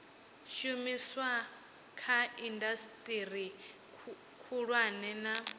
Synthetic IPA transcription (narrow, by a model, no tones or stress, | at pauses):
ʃumiswa | kʰaindastʼiɾi | kʰuɺwanɛna